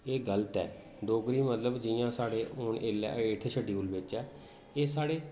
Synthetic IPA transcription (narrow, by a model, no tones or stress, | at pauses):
eːɡələt̪ɛ̰ː | ɖ̪oːɡɾiːmət̪ləbd͡ʒɪjãːsaːɽeːʔʊnʔeːlɛ̰ːɪʈʰeʃʰəɖiuːlbɪt͡ʃɛː | eːsaːɽeː